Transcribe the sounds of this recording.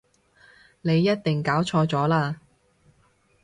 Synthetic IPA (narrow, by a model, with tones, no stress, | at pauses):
ne˨˧jːɐ˥t̚t̪ɪ˨˩ŋkaː˨˥wt͡ʃʰɔː˧t͡sɔː˨˥laː˧